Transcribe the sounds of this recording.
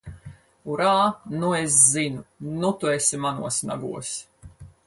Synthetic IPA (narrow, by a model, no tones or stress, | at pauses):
uɾaːnues̬zinunut̪uesʲimanuɔsna̰ɡuɔs